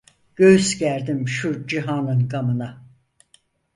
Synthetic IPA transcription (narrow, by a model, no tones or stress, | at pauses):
ɟ̥øjysɟæɾd̪imʃud͡ʒiɦanɯnkʰamɯna